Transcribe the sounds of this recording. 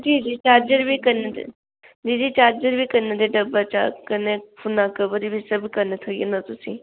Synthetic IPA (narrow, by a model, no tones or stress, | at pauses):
d͡ʒiːd͡ʒiːt͡ʃaːɾd͡ʒəɾbʱikɐned̪̰ | d͡ʒiːd͡ʒiːt͡ʃaːɾd͡ʒəɾbʱikɐned̪eɖɐbat͡ʃa̰kɐnefʰʊnãkəbəɾibʱisɐbkɐnet̪ʰojenɐt̪ʊsĩ